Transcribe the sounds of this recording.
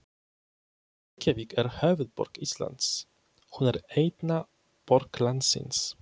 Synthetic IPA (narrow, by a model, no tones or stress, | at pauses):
kʰʲɛvikæɾhœːvəd̪̚bɔ̰ɾkisla̰nd̪s | hʊnæɾɛjt̪na | pɔɾklansɪ̰ns